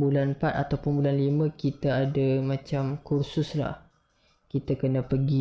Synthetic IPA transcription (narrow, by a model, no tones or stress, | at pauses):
bulanpat̪̚at̪awpʊnbulanlimə̃kit̪aːdamãt͡ʃamkursʊsla̰h | kit̪akənəpəɡi